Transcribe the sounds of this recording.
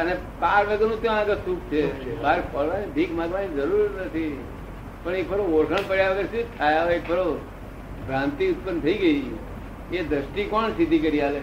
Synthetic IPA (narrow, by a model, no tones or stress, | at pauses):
əne | paɾʋəɡənũt̪õaɡəsũk̚t͡ʃʰebaɾpʰɔlʋanibʱikmãɡʋanid͡ʒəɾuɾnət̪ʰi | pəɳek̚bəɾooɾkʰəɳpəɽjaʋəɡəɾsut̪ʰajaʋek̚bəɾo | bɾãnt̪iʊt̪̚pənt̪ʰəiɡəi | ed̪ɾəsʈikɔɳsid̪ʱikəɾiale